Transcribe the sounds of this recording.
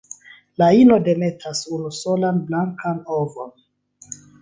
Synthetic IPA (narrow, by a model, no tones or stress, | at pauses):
laino̞de̞me̞tʰasunuso̞lanblaŋkʰanovo̞̰n